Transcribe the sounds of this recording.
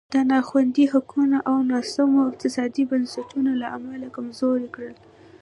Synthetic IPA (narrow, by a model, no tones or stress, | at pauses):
d̪̥ənɑxwand̪ihakʰunaʔawnɑsamoɪq̚t̪ɪsɑd̪ibansatunalaʔamalakamzoɾekɽəl